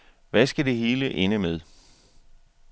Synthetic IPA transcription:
ʋæsɡ̥æd̥e̝ɦe̝ːləʔe̝nəmeð̞ˠ

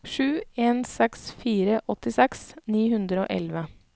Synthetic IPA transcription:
ʂʉːeːnsɛksfiːɾəʔɔt̪ɪsɛksniːhʉnd̪ɾəo̰ːʔɛ̰lʋə

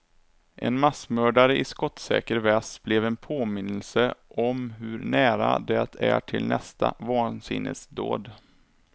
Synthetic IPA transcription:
ʔɛnmasmœːɖaɾəʔɪskɔt̪sɛ̰ːkəɾvɛsb̥lɛvɛnpʰoːmɪnːəlsəʔɔmɦɵɾɳæːɾa̰d̪ɛt̪ʰæʈʰɪlnɛst̪ʰavɑːnsɪ̰nːə̰sd̪o̰ːd̪

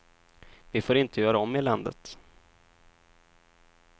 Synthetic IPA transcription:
vɪfoːɾɪnt̪əjœːɾaɔmːɪland̪ə̰t̪

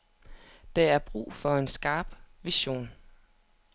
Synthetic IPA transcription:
d̥ɑæɐb̥ʁṵːfɒ̽e̝nsɡ̥ɑ̈ːb̥ʋiɕo̝̰ːn

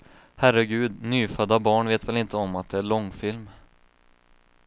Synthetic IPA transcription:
hæɾəɡʉ̟ːd̪nyːfœd̪ːabɑːɳveːt̪vɛlɪnt̪əɔmat̪̚d̪ɛæɭɔŋːfɪlm

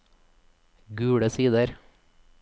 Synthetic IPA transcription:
ɡʉːɽəsiːd̪əɾ

